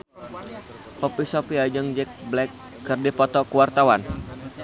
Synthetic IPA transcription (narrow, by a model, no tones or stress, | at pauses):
pɔpisɔpiad͡ʒəŋd͡ʒɛk̚blɛkː | ərdipɔt̪ɔkuwart̪awan